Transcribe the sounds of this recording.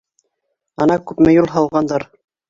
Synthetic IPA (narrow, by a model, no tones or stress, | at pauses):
ɑnɑkʉpmæjulˠɦɑlˠʁɑnd̪ɑɾ